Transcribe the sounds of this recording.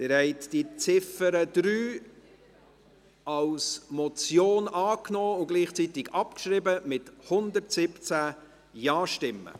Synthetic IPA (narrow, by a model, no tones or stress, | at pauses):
t̪ɪɾhɛɪtd̥it͡sɪfəɾəd̪̥ɾyː | ɑlsmɔt͡sjoːnɑːknɔːʊɡ̥liːχt͡sit̪ɪɡɑpkʃɾɪbəmɪthʊnd̪ərtsɪpt͡sæː | jɑːʃtɪmːə̰